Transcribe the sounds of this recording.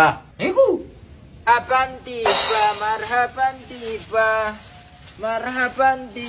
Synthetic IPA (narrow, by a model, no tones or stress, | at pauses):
aniku | apantipamaɾɦapant̪ipa | maɾɦapanti